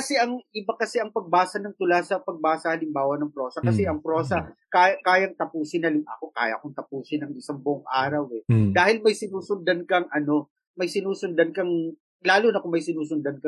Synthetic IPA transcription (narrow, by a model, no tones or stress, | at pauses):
kɐsɛʔɐŋɪbɐkɐsɛʔɐŋpɐɡ̚baːsɐnɐŋt̪ʊlasɐpɐɡ̚baːsɐhɐlɪmbaːwɐnɐŋpɾo̞ːsɐkɐsɛʔɐŋpɾo̞ːsɐkaːjɐkaːjɐŋt̪ɐpuːsɪnɐlɪma̰koka̰ːjɐ̰ʔkʊŋt̪ɐpuːsɪnɐŋɪsɐŋbʊʔʊŋʔaːɾɐwɛd̪aːhɪlmɐjsɪnuːsʊnd̪ɐnkɐŋʔɐno̞ | mɐjsɪnuːsʊnd̪ɐnkɐŋ | laːlʊnɐkʊmɐjsɪnuːsʊnd̪ɐnkɐ